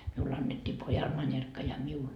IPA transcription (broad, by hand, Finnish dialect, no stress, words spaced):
miulː ɑnːetːiː pojɑl mɑnʲerkːɑ jɑ miul